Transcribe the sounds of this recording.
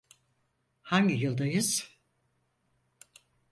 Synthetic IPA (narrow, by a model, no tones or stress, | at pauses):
haɲɟijɯlˠd̪ajɯz̥